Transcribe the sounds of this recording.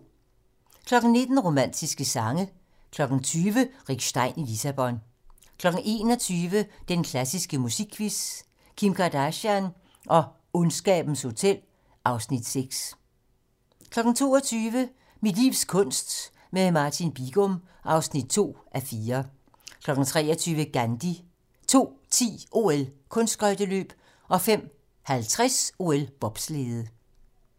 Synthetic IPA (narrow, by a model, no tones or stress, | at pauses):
kʰlɒ̽ɡ̥n̩ne̝d̥n̩ʁo̝mæn̰d̥isɡ̥əsɑ̈ŋə | kʰlɒ̽ɡ̥n̩t͡sʰyːʋəʁiɡ̥sd̥ɑ̈ɪ̰nilisæb̥ɒ̽n | kʰlɒ̽ɡ̥n̩ʔe̝̰ːnɒ̽t͡sʰyːʋəd̥enkʰlæsisɡ̥əmusiɡ̥ʰːʋis | kʰimkʰɑd̥æɕæn | ʔɒ̽ | ɔnsɡ̥ɛ̰ːb̥n̩sho̝t͡sʰel̰ | ɑ̈ʊsnid̥seɡ̥s | kʰlɒ̽ɡ̥n̩t͡sʰo̝̰ːɒt͡sʰyːʋə | mid̥lḭʊ̰skʰɔ̽n̰sd̥ | memɑ̈t͡sʰinb̥iɡ̥ɔm | ʔɑ̈ʊsnid̥̚t͡sʰo̝̰ːʔæfiːɐ | kʰlɒ̽ɡ̥n̩t͡sʰʁɛ̰ːɐt͡sʰyːʋəɡ̥ænd̥i | t͡sʰo̝̰ːt͡sʰḭːʔo̝elkʰɔ̽nsd̥ʁœd̥əlø̰ːb̥ | ʔɒ̽fem̰ | hælt͡sʰʁaso̝ːelb̥ɒ̽b̥sle̝ːð̩ˠ